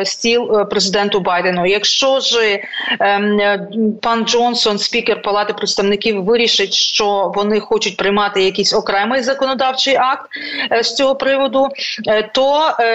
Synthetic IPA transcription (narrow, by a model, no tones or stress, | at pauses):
sʲtʲilˠpɾezɪd̪ɛnt̪ʊbɑjd̪enʊjɐkʃt͡ʃɔʒɪ | pɑnd͡ʒɔnsɔnsʲpʲikerpɐlˠɑt̪ɪpɾɪt̪st̪ɐʋnɪkʲiwʋɪɾʲiʃɪtʲʃt͡ʃɔʋɔnɪxɔt͡ʃʊt̚ʲpɾɪjmɑt̪ɪjɐkʲisʲɔkɾɛmɪjzɐkɔnɔd̪ɑwt͡ʃɪjʔɑk̚t̪sʲt͡sʲɔɦɔpɾɪʋɔd̪ʊt̪ɔ